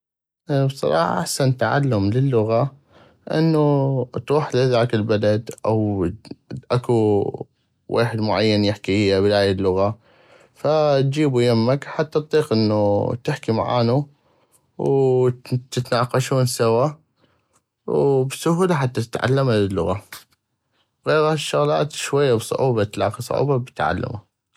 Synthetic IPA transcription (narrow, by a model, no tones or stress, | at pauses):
bsˤɑ̰ɾˤɑ̰ːħɑ̰ʔa̰ħsant̪aʕa̰lːʊmlɪlːʊɣa | ʔɪ̰nːut̪ɾuːħlɪðaːkɪlbalad̪ʔa̰w | ʔaku | wḛːħɪd̪mʊʕajːanjɪħkiʔɪjːabɪlaːjɪlːʊɣa | fat̪̚d͡ʒiːbujamːakħat̪ːat̪t̪ˤːiːqʔɪnːut̪ɪħkima̰ʕa̰ːnu | w | t̪ɪt̪naːqɑʃuːnsawa | wbsʊɦuːlaħat̪ːat̪ɪt̪ʕa̰lːamalɪlːʊɣa | ɣeːɾaʃːʊɣla̰ːt̪ʃwajːabsˤʊ̰ʕuːbat̪lɑ̰ːqisˤʕṵːbabɪt̪ʕa̰lːa̰ma